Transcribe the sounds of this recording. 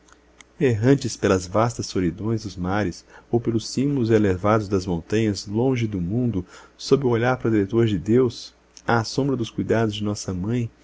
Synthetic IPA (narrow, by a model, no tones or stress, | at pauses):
eɦɐ̃nt͡ʃɪspelɐzvast̪ɐsolid̪õj̃zd̪ʊzmaɾɪsowpelʊsːĩbʊlʊzelevad̪ʊzd̪ɐzmõnt̪ɐ̃ɲɐzlõʒɪd̪ʊmũnd̪ʊːobɪʊoʎaɾpaɾɐd̪iɾet̪oɾd͡ʒɪd̪ews | aːsõmbɾɐd̪ʊskujd̪ad̪ʊzd͡ʒɪnɔsɐmɐ̃j̃